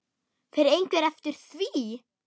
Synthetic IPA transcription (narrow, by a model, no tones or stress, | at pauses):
θɛɾɾejŋkɛɾɛft̪ɪɾ̥θviː